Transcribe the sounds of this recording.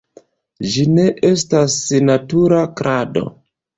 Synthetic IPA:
d͡ʒine̞ʔe̞stasnatuɾakɾʔado̞̰

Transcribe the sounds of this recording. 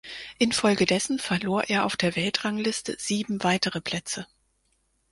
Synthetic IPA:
ʔɪnfɔlɡədɛsn̩fɛɐloːɐʔeːɐʔaʊfd̥eːɐvɛltʁ̥aŋlɪstə̰z̥iːbm̩vaɪtəʁəpl̥ɛt͡sə

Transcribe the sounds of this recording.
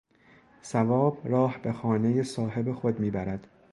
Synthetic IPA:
sævɒːbrɒːhbe̞xɒːne̞jesɒːhe̞bexo̞d̪miːbæɾæd̪̥

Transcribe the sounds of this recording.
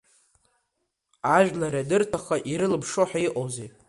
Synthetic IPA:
aʒᶣlaradɨrtʰaχaʔiɾɨlɨbʂoħᶣaiqʼowze

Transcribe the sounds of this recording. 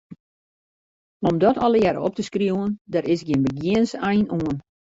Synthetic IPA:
ɔmdɔtʰɔlˠəjɛɾə̰ɔ̰p̚təskrjuəndaɾɪsɡjeːnbəɡjɪənsɛjnuən

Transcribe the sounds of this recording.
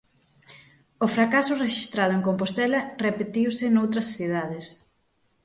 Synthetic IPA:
ofɾakasʊreʃist̪ɾað̞ʊeŋkompost̪ɛlɐrepet̪iwsɪnowt̪ɾɐsθiðaðɪs

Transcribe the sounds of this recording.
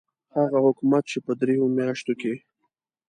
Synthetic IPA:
haɣahʊkumat̪̚t͡ʃepəd̪ɾejomjɑʃt̪oke

